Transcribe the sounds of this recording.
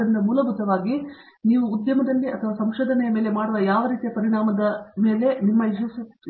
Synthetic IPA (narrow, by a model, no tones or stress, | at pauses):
ɾind̪ɐmuːlɐbʱut̪ɐʋaːɡi | niːʋuːd̪jɐmɐd̪ɐlːiʔɐt̪ʰɐʋaːsɐmʃoːd̪ʱɐnɛjɐme̞ːle̞maːɽuʋɐjaːʋɐɾiːt̪ijɐpɐɾiɳaːmɐd̪ɐme̞ːle̞nimːɐiʃɐs